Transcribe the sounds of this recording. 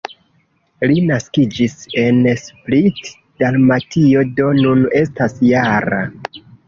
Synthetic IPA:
linaskid͡ʒise̞nsplit | d̥almatʰio̞do̞nune̞stasjaɾa̰

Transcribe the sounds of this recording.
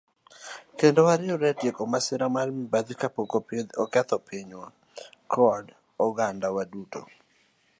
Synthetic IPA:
kendowaɾɪɔɾɛtjekomasɪɾamalmibad̪ikapokoped̪ɔkɛt̪ɔpʰiɲwa | kʰɔd | ɔɡandawaduto̰

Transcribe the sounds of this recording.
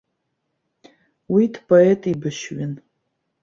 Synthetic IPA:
widpʰʼoetʰʼibɨʃɥɪn

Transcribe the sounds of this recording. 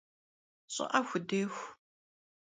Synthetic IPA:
ɕʼɪ̰ʔɐxʷʊdeːxʷ

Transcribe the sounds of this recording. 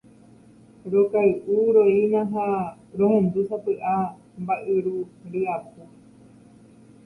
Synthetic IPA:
ɾokajʔuɾoejnãɦã | ɾõhẽnd̪usapɨʔa | mbaʔɨɾuɾiapu

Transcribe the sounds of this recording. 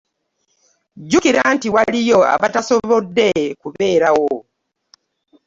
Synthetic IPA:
ɟukiɾantiwalijo̞a̰βataso̞βo̞dːe̞kuβe̞ːɾawo

